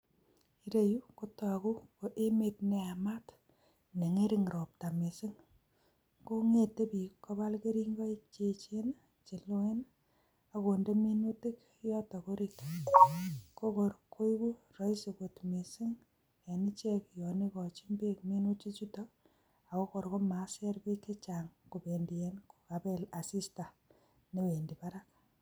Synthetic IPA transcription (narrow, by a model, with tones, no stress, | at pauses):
i˦ɾe˦ju˦ko˦tɔ˨a˨ku˦ko˨ʔe˦me˨t̚ne˨a˨ma˦t | ne˨ŋe˦ɾi˦ŋɾo˨p̚ta˨me˨sɪ˦ŋ | ko˦ŋe˨te˦pi˨kːo˦ba˦lke˦ɾi˦ŋɡɔ˦i˦t͡ʃet͡ʃe˦na | t͡ʃe˨lo˦e˦n | ako˨nde˦mi˦nu˦tɪ˦k | jɔ˦ta˨ko˦ɾit | ko˦kɔ˨ɾkʰo˦jku˦rɔ˦ise˨ko˨tme˨sɪ˦ŋ | a˨ni˦t͡ʃɛ˦kjɔ˨ne˦kɔ˨t͡ʃi˦mbe˦kmi˦nu˦t͡ʃi˦t͡ʃu˦tɔ˦ | a˨ko˦ko˨ɾko˦ma˨sɛ˦ɾpe˦ke˦t͡ʃaŋku˨pe˨ndi˨e˦nku̥˨ka˨pe˦la˨si˦sta˨ | ne˨we˨ndi˨pa˦ɾak